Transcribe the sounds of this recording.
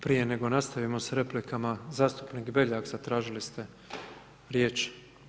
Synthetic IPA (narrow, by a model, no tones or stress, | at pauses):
pɾije̞ne̞ɡo̞nast̪aʋimo̞sɾe̞plikʰamazaːst̪u̥pniɡbe̞ʎaɡzat̪ɾaːʒilist̪e̞ | ɾjeːt͡ʃ